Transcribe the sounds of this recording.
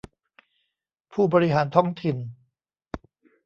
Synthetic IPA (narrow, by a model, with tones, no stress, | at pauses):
pʰuː˥˩bɔː˧ɾi˦ɦaː˩˦nt̪ʰɔ˥˩ŋt̪ʰi˨n